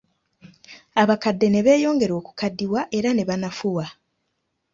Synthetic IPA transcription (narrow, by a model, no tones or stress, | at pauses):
aβakadːe̞ne̞βe̞ːjo̞ːŋɡe̞ɾo̞ːku̥kadːiwaʔe̞ɾane̞βanafuwa